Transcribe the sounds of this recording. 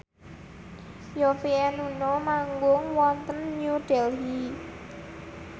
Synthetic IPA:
jɔfiɛnunɔmaŋɡʊŋwɔnt̪ənɲuɖ̥ɛlɦi

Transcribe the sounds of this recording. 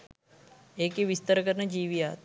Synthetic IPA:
ekiʋist̪əɾkəɾnəd͡ʒiːʋiat̪

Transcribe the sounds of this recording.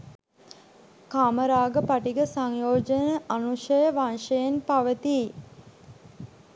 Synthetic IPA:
kaːməɾaːɡəpaʈiɡəsaŋjoːd͡ʒənəʔanuʃəjəʋanʂəjenpaʋət̪i

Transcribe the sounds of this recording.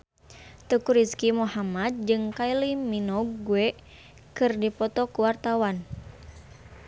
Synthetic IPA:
t̪əkuɾiskimuhamad̪̚d͡ʒɨŋkailiminɔɡːuɛ | kɨrdipɔt̪ɔkuwart̪awan

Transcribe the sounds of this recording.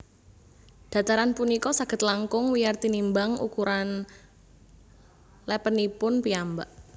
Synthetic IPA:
d̥a̤t̪aɾanpunikɔsaɡ̥ə̤t̪laŋkʊŋwijart̪inimbaŋṵkuɾan | lɛpənipʊnpiambaʔ

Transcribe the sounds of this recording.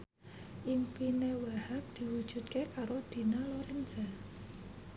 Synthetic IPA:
ʔimpinewahap̚d̪̥i̤wud̥ʒ̥ṳt̪̚kekaɾod̪̥i̤naloɾɛnsa

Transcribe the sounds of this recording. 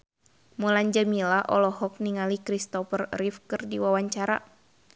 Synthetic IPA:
mulaɲd͡ʒamilaʔɔlɔɦɔk̚niŋalikɾist̪ɔfərrifkɨrdiwawaɲt͡ʃaɾa̰

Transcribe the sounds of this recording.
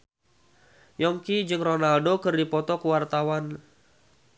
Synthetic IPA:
jɔŋkid͡ʒɨŋrɔnaldokɨrdipɔt̪ɔkəwart̪awan

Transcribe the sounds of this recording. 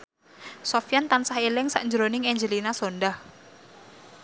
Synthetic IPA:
sɔfjant̪ansahelɪŋsa̰ʔɲd͡ʒɾonɪŋɛɲd͡ʒəlinasondah

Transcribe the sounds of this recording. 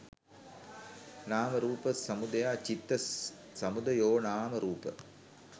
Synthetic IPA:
naːmɐɾuːpəsɐmud̪ɐjaːt͡ʃit̪ːɐ | sɐmud̪ɐjoːnaːmɐɾuːpə̰

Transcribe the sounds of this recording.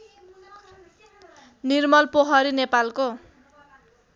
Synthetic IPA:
nirmʌlpoɦʌɾinepalko

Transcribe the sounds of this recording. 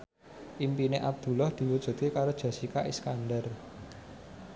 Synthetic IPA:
ʔimpineʔab̚d̪̥ṳlɔhd̪̥i̤wud̥ʒ̥ṳt̪̚kekaɾod̥ʒ̥a̤sikaʔiskanɖər

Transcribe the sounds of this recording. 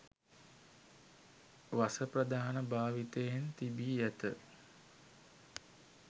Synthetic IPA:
ʋasəprəd̪aːnəbaːʋit̪əjent̪ibiːjæt̪ə

